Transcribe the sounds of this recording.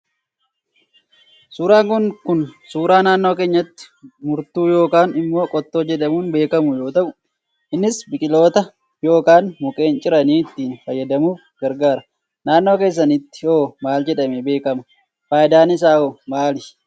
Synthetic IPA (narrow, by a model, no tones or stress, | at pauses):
suːɾaːŋkʊnkʊnsuːɾaːnaːnːo̞ːke̞ːɲːɐt̪ːɪ̥mʊɾt̪uːjo̞ːkaːnɪmːo̞ːkʼɔt̪ːo̞ːd͡ʒɛᶑɐmuːnbe̞ːkɐmʊjo̞ːt̪ɐʔʊ | ʔɪnːɪsbɪkʼɪlo̞ːt̪ɐ | jo̞ːkaːnmʊkʼe̞ːnt͡ʃʼɪɾɐniːɪt̪ːiːnfɐjːɐd̪ɐmuːf | ɡ̥ɐɾɡaːɾɐ | naːnːoːkeːs̬ːɐnɪt̪ːɪ̥oːmaːld͡ʒɛᶑɐmɛbe̞ːkɐmɐ | faːjɪd̪aːnɪs̬aːoːmaːlɪ